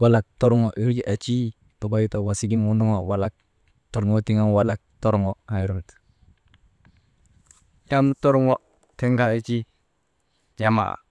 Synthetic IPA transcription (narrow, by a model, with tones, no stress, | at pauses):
wa˨la˨k̚tɔ˦ɾʊ˦ŋɔ˨ʔi˦ɾd͡ʒi˦ʔa˨t͡ʃi˦ | ba˨ba˦ji˦ta˨wa˨si˦ɡi˦ŋwu˦ndɔ˦ŋɔ˨wa˨la˦k̚ | tɔ˨ɾŋwɔ˦ti˦ŋa˦mwa˨la˨k̚tɔ˦ɾɔ˦ŋwɔ˦˨a˨i˦ɾɔ˦ŋt | ja˦mtɔ˦ɾŋwɔ˦ | te˦ŋɡa˦t͡ʃi˦ | d͡ʒa˦ma̰˨